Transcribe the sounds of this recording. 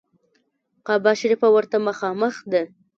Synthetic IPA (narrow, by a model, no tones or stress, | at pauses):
qɑbɑʃaɾifawəɾt̪aməxɑməxd̪a